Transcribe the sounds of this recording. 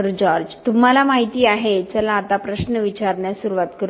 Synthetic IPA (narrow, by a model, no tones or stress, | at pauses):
ɾd͡ʑɔɾd͡ʑt̪um̤alamaɦit̪iːaɦet͡səlaːt̪apɾəɕnəʋit͡ɕaɾɳjasuɾuʋat̪kəɾ